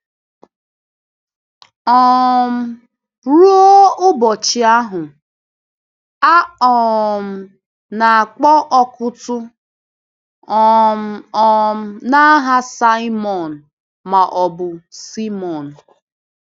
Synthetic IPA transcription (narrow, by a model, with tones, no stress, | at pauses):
ɔ˨m̩˦ | ɾu˦o˦ʊ˦bɔ˨t͡ʃɪ˨a˦ɦʊ˨ | a˦ɔ˨m̩˨ | na˨a˨k͡pɔ˦ʔɔ˦kʊ˦tʊ˦ | ɔ˨m̩˦ɔ˨m̩˦na˦ɦa˦sa˦mɔ˨n̩˨ | ma˨ʔɔ˨bʊ˨si˦mɔ˨n̩˨